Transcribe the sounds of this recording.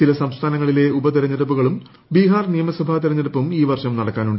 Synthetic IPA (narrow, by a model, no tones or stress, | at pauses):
t͡ɕilɐsɐmst̪ʰaːnɐŋːɐɭile̞ubɐt̪̬iɾɐɲːɐɾɐp̬ːuɣɐɭum | biːɦaːrnijɐmɐsɐbʱaːt̪iɾɐɲːɐɾɐpːumiːʋɐrʂɐmnɐɽɐkːaːnuɳɖ